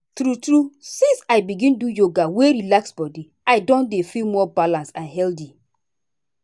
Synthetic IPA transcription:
tɾutɹusĩnsaɪbiɡĩndujoɡaweɹilaksbɔdi | aɪdɔ̃ndefilmɔbalãnsãnɦɛldi

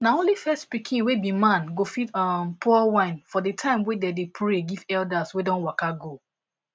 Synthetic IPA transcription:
naõnlifɛstpikʰĩnwebimãnɡofitɔmpʰɔwãɪ̃nfɔdətʰãɪ̃mwɛ̃dɛdepʰɹeɡivɛldaswedɔ̃nwakaɡo

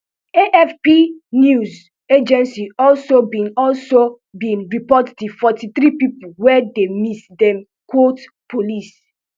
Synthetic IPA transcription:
eʔɛfpinjuz | ed͡ʒɛ̃nsiɔlsobĩnɔlso | bĩnɹipɔtdifɔtit̪ɾipipuwɛdemisdɛ̃m | kwot | pʰolis

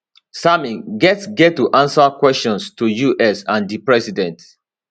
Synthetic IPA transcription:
samĩnɡɛtsɡɛttːuʔãnsakwɛstɔ̃nstujuʔɛsãndipɹɛsidɛ̃nt

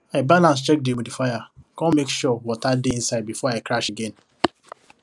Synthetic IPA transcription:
aɪbalãns̬t͡ʃɛk̚dewudifajakɔ̃mekʃɔwɔtadeĩnsaɪd̚bifɔaɪkɾaʃeɡẽn

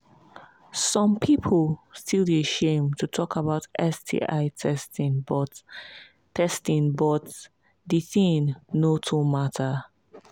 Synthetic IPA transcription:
sɔ̃mpʰipʰəlˠstʰilˠdiəʃẽmtʰutʰɔkʰabaʊtɛstʰḭʔaɪtʰɛstĩnbɔt | tʰːɛstĩnbɔt | diθĩŋnotʰumatʰə

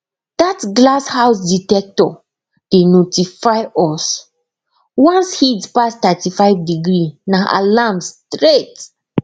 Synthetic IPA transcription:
d̥atɡlashawsditɛk̚tɔ | d̥enotifajɔs | wãnshitspastatifaɪvdiɡɹinaʔa̰lamstɹet

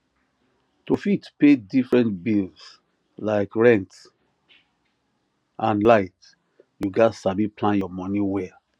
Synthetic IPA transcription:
tofitpedifɹɛ̃ntbils | laɪkɹɛ̃nt | ʔãnlaɪt | juɡatsabiplãnjɔmɔ̃niwɛ

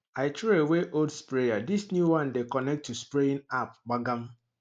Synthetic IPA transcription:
aɪt͡ʃeeweʔoldspɾejadisnjuwãndekɔnɛk̚tːuspɾeĩnap̚ɡ͡baɡam̩

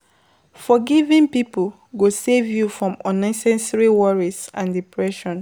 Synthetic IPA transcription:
fɔɡivĩnpipol | ɡosevjufɹɔ̃mɔ̃nãsɛ̃nsəɹiwɔɹizãndipʰɹɛʃɔ̃n

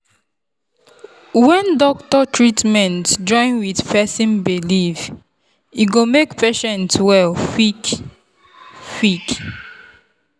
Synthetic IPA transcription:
wɛ̃ndɔktɔtʰɹitmɛ̃ntd͡ʒɔ̃ɪ̃nwiθpʰɛsĩnbiliv | iɡomekpʰɛʃɛ̃ntwɛlfik | fik

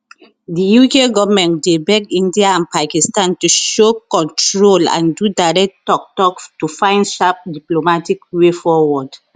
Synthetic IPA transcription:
dijukeɡɔvmɛ̃ntdebɛɡĩndiaãnpakistãntuʃokɔ̃ntɹolã̰ndudaɹɛk̚tɔk̚tɔktufãɪ̃ndʃap̚diplomatikwefɔwɔd

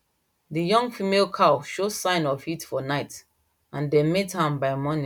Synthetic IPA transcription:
dijɔ̃ŋɡfimelkʰaʃosãɪ̃nɔvitfɔnaɪt | ãndemethãmbaɪmɔnĩ

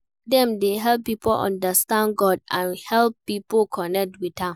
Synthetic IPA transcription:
dɛ̃mdeɦɛlpːipʰolʔɔ̰̃ndəstãnɡɔd̚ãnhɛlpːipokʰɔnɛk̚twidhãm

